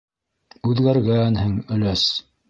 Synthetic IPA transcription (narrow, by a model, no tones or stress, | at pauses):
ʉðɡæɾɡænhɘŋɵ̆læs